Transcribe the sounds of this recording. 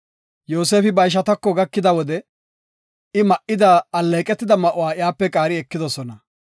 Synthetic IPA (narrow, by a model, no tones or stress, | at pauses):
joːs̬eːfɪbɐjʃ̬ɐt̪ɐkːɔɡɐkːɪd̪ɐwɔd̪ɛ | ɪmɐʔɪd̪aɐlːeːkʼɛt̪ːɪd̪ɐmɐʔʊwaːɪjaːpːɛkʼaːɾɪɛkːɪd̪ɔsɔnɐ